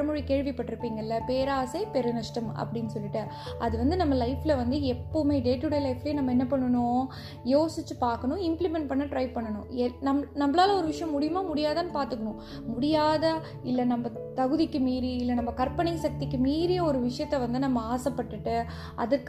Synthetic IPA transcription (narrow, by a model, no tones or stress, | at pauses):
ɐmʊɻikeːɻʋipɐʈːɪɾɯpːiːŋɡɐɪlːɐpeːɾaːsɐɪpɛɾɯnɐʂʈɐmɐ̰pːɐɽɪnːɯsɔlːɪʈːɯ | ɐðɯʋɐnd̪ɯnɐmːɐlɐɪfɪlɐʋɐnd̪ɯɛpːoːmeːɖeːʈːɯɽɐjlɐɪfɪleːnɐmːɐɛnːɐpɐɳːɐɳʊ̃ | joːsɪt͡ʃːɯpaːɾkɐɳʊ̃ɪmplɪmɛɳʈ̚pɐɳːɐʈɾɐɪʋpɐɳːɐɳʊ̃ɛnɐmnɐmbɐlaːlɐɔɾɯʋɪʂɐjɐ̃mːʊɽɪjɯmaːmʊɽɪjaːðɐːnːɯpaːɾt̪ɯkːɐɳʊ̃ | mʊɽɪjaːðɐ | ɪlːɐnɐmːɐt̪ɐɣɯðɪkːɯmiːɾiɪlːɐnɐmːɐkɐɾpɐɳɐɪsɐk̚t̪ɪkːɯmiːɾijeɔɾɯʋɪʂɐjɐt̪ːɛʋɐnd̪ɯnɐmːɐaːsɐpːɐʈːɯʈːɯ | ɐ̰ðɯkː